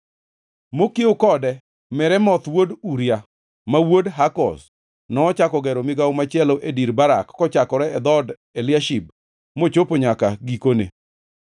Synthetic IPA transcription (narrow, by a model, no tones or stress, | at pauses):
mokɪokɔdɛ | mɛɾɛmɔt̪woduɾja | mawodɦakɔ̰s | nɔːt͡ʃakɔɡɛɾomɪɡaomat͡ʃɛlɔʔediɾbaɾakːɔt͡ʃakɔɾɛɛd̪ɔd | ɛljaʃib̚ | mot͡ʃopoɲakaɡikonḛ